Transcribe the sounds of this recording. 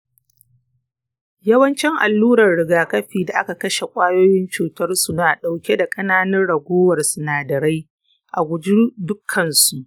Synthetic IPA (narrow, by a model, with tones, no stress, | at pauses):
jɐ˦wɐ˦nt͡ʃɪ˦ŋʔa̰˨lːuː˦ɾɐ˨rɽɪ˨ɡaː˨kɐ˦ɸiː˨da˨ʔa˦ka˨kɐ˦ʃe˨kʷʼaː˦joː˦jɪ˦nt͡ʃuː˨tɐ˦rsu˨naː˨ɗa˨wkʲe˦da˨kʼɐ˦naː˦nɐ˦nɽɐ˨ɡʷoː˦wɐ˨rsʊ˨naː˨dɐ˨ɾa˦j | ʔa˨ɡʷʊ˨d͡ʒi˦dʊ˦kʰːɐ˨nsu˨ʔ